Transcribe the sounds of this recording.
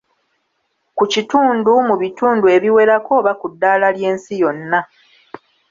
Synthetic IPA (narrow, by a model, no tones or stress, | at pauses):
kucituːndumuβituːndue̞βiwe̞ɾako̞ːβakudːaːlalje̞ːnsijo̞nːa